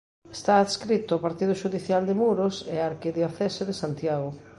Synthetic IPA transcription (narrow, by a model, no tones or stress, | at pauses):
est̪aːðskɾit̪ʊːpaɾt̪iðʊʃuðiθjald̪emuɾoseaɾkiðjoθesoðesant̪jaɣ̞o